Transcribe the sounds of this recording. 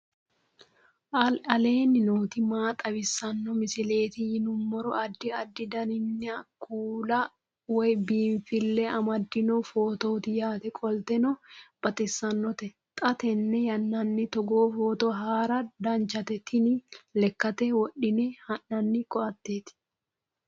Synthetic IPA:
ʔɐlɐle̞ːnɪnoːt̪ɪmaːt̪ʼɐbɪsːɐnːɔmɪsɪle̞ːt̪ɪjɪnʊmːɔɾɔɐd̪ːɪɐd̪ːɪd̪ɐnɪnːɛɐkuːlɐ | wɔjbiːɱfɪlːɛɐmɐd̪ːɪnɔfoːt̪oːt̪ɪjaːt̪ɛkʼɔlt̪ɛnɔb̥ɐt̪ɪsːɐnːɔt̪ɛ | t̪ʼɐt̪ɛnːɛjɐnːɐnːɪt̪ɔɡoːfoːt̪oɦaːɾɐd̪ɐnt͡ʃɐt̪ɛt̪ʰɪnɪlɛkːɐt̪ɛwɔɗɪnɛhɐʔɐnːɪkɔɐt̪ːeːt̪ɪ̥

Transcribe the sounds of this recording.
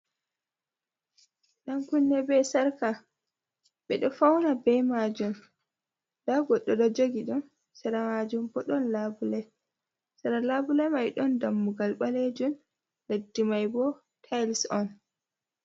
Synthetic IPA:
ɗankunːɛbɛsaɾka | ɓɛɗɔfawnabɛmad͡ʒum | daɡɔɗːɔɗɔd͡ʒoɡiɗun | saɾamad͡ʒumbɔɗɔnlabulɛ | saɾalabulɛmajɗɔndamːuɡalɓaled͡ʒun | ledːimajbɔ | tʰajlsɔn

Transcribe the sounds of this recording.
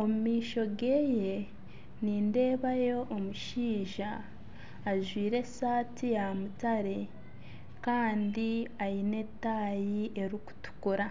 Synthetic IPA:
o̞mumiːʃo̞ɡeːje̞ | niːnde̞ːβajo̞ʔːmuʃiːʒaː | ʒwiːɾe̞saːtijamutaɾe̞ | kaːndiajine̞tːaːjiʔe̞ɾiku̥tu̥kuɾa

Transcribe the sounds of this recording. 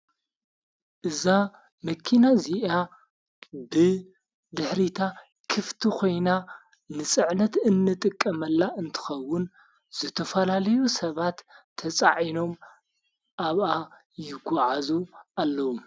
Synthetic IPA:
ʔɨza | mɐkʰːinaziʔa | bɨ | d̪ɨħɾit̪ʰa | kʰɨft̪ʰikʰo̞jna | nɨsʼɨʕnɐt̪ɨnːɨt̪ʼɨkʼːɐmɐlːaʔɨnt̪ʰɨ̥xɐwːʊn | z̥ɨt̪ʰɐfɐlalɐjusɐβat̪ʰː | ɐt͡sʼaʕino̞m | ʔaβa | jɪɡʷɔʕazuʔalːɐwu

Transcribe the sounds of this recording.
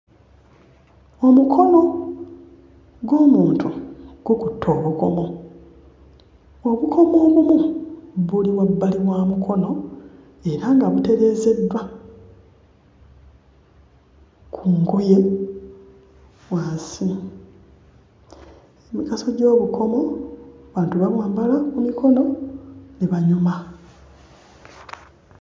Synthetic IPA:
omukʰo̞no̞ | ɡo̞ːmuːntʰuɡ̥ukutʰːo̞ːβuko̞mo̞ | oβukʰo̞mo̞ːβumuβuliβwabːaliβwaːmukʰo̞no̞ | e̞ɾaŋɡaβute̞ɾe̞ːze̞dwa | kʰuŋɡuje̞ | waːsi | emikaso̞ɟo̞ːβukʰo̞mo̞βaːntuβaβwaːmbalakumikʰo̞no̞neβaɲuma

